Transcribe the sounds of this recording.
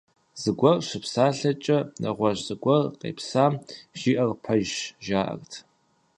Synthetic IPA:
z̥ɨɡʷɔrʃɪpsaːɬɐt͡ʃʼɐnɐʁʷɐɕzɨɡʷɔrqḛːpsaːmʒ̥iːʔɐrpʰɐʒʒaːʔɐ̰rtʰ

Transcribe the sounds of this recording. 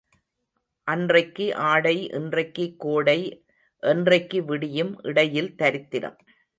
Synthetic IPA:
ʔɐndrɐɪkːɯʔaːɽɐɪʔɛ̰ndrɐɪkːɯkːoːɽɐɪ | ʔɛndrɐɪkːɯʋɪɽɪjɯmʔɪɽɐjɪlt̪ɐɾɪt̪ːɪɾɐ̰m

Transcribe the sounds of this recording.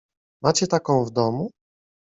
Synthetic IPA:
mat͡ɕɛt̪akɔ̃w̃vd̪ɔmu

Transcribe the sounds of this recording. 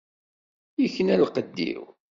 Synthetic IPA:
jəçənælqəd̪ːḭw

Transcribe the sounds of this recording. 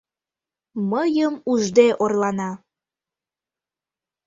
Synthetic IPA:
məjəmuʒd̪eʔorlɑnɑ

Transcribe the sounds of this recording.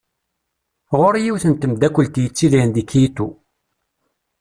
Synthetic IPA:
ʁoɾjiwθənt̪əmd̪ækʷːəlt̪jət͡sːiðnd̪ikːjit̪ːu

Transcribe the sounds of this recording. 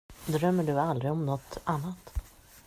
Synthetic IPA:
d̪ɾœmːəɖɵald̪ɾɪɔmnɔt̪ːanːat̪

